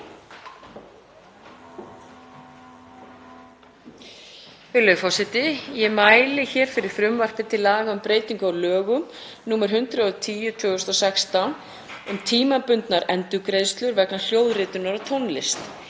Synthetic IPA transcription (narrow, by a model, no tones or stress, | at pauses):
ʏlœfasɪt̪ɪjɛmaːjlɪçɛːɾ̥fɪɾɪɾ̥fɾʏmvar̥k̪ɪɾt̪ʰɪlaːɣaʏmpɾeːjt̪iŋkʏawlœːɣʏm | nuːmaɾ̥ɦʏnt̪ɾaðʏt̪ʰiːjʏt̪ʰvʏːɣʏst̪ɔsɛkst̪an | ʏmt̪ʰiːmapʏnt̪naɾɛnt̪ʏkɾejðst̪lʏɾvɛknal̥joːwðrɪːt̪ʏnaɾat̪ʰɔwnlɪst̪